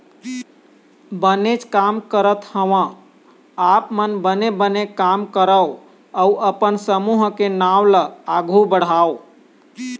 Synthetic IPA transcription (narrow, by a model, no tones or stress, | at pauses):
bənet͡ʃkamkəɾət̪həʋã | apmənbənebənekamkəɾəo | əuʔəpənsəmuɦkenawləaɡʱubəɽ̤ao